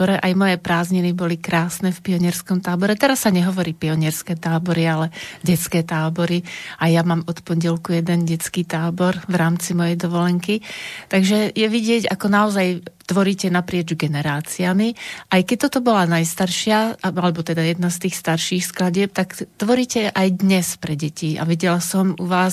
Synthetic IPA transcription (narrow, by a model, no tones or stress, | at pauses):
ɔɾɛʔajmɔjɛpɾaːzɲinibɔlikɾaːsnɛfpiɔɲɪɛɾskɔmt̪aːbɔɾɛt̪ɛɾasːaɲɛɦɔʋɔɾiːpiɔɲɪɛɾskɛːt̪aːbɔɾialɛɟɛt͡skɛːt̪aːbɔɾiajamaːmɔt̪pɔɲɟɛlkujɛd̪ɛnɟɛt͡skiːt̪aːbɔɾʋɾaːmt͡simɔjɛjd̪ɔʋɔlɛŋkit̪aɡʒɛjɛʋiɟɪɛɟa̰kɔnaɔzajt̪ʋɔɾiːcɛnapɾɪɛd͡ʒɡɛnɛɾaːt͡siamiʔajkɛc̚t̪ɔt̪ɔbɔlanajst̪aɾʃɪaalɛbɔt̪ɛd̪ajɛd̪̚nast̪iːxst̪aɾʃiːxsklaɟɪɛp̚t̪aɡt̪ʋɔɾiːcɛʔajd̪ɲɛspɾɛɟɛcia̰ʋiɟɛlasɔmuʋaːs